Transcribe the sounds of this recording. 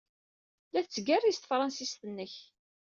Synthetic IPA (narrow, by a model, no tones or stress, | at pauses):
læθt͡sːəɡærist̪fɾˤɑnsist̪ənːəç